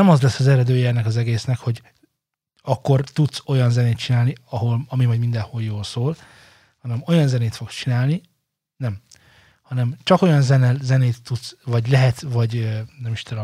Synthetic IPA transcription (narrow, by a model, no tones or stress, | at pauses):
ɛmɒzlɛsːɒzɛɾɛd̪øːjɛɛnːɛkɒzɛɡeːsnɛkho̞ɟ | ɒkːo̞rt̪ut̪so̞jɒnzɛneːt̪̚t͡ʃinaːlniɒɦo̞lɒmimɒjd̪mind̪ɛnholjoːlsoːl | hɒnɛmo̞jɒnzɛneːt̪fo̞kst͡ʃinaːlni | nɛm | hɒnɛmt͡ʃɒko̞jɒnzɛnɛzɛneːt̪ːut̪svɒɟlɛɦɛt̪vɒɟønɛmiʃt̪